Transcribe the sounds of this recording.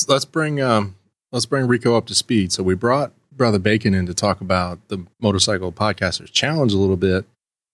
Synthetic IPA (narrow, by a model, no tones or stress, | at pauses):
lətsb̥ɹɪ̃ŋʌ | lətsb̥ɹɪ̃ŋɹikoʊʌp̚tʰɨspid̥soʊwibɹɔt̚ | b̥ɹʌðə˞beɪkɨ̃nɨ̃ntɨtʰɔkəbaʊt̪̚ðəmoʊɾə˞saɪkl̩ˠpʰɑd̚kʰæstə˞z̥t͡ʃʰælˠə̃nd͡ʒəlɪɾl̩ˠbɪt̚